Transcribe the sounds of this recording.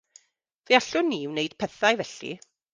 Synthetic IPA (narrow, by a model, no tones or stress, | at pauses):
v̥eaɬʊnːiwnejd̥pʰɛθaɨvɛɬḭ